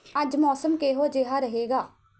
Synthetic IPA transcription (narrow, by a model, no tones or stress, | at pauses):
əd͡ʒmɔːsəmkeːɦoːd͡ʒeːɦaːɾəɦeːɡaː